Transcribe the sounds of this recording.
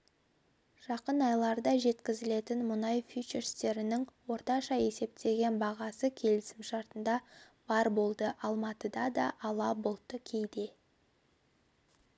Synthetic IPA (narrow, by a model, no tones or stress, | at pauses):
ʒ̥ɑqənɑjlˠɑɾd̪ɑʒe̞t̪kʲɪzɪle̞t̪ɪnmʊnɑjfit͡ʃeɾst̪e̞ɾɪnɪŋwo̞ɾt̪ɑʃɑe̞se̞p̚t̪ʰe̞ɡʲe̞nbɑʁɑsəkʲʰe̞lɪsɪmʃɑɾt̪ənd̪ɑ | b̥ɑɾbo̞lˠd̪əʔɑlˠmɑt̪əd̪ɑd̪ɑʔːlˠɑbo̞lˠt̪əkʲʰejd̪e̞